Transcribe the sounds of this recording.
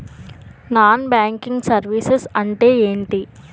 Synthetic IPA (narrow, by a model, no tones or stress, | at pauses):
naːnbaːŋkiŋɡsɐɾʋisesɐɳʈe̞ːeːɳʈi